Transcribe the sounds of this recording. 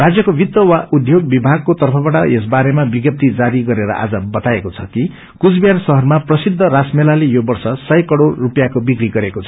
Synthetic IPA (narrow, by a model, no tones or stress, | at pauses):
rad͡zjʌkobit̪ːwʌwaʔud̪ʱjoɡ̚bibʱaɡ̚kot̪ʌrpʰʌbaʈʌ̰ʔesbaɾemabiɡjʌp̚t̪id͡zaɾiɡʌɾeɾʌ̰ʔa̰d͡zʌbʌt̪aekot͡sʰʌki | kut͡sbjansʌɦʌrmaprʌsid̪ʱːʌɾasmelalejobʌrsʌsʌjkʌɽorːupjakobikɾiɡʌɾekot͡sʰʌ̥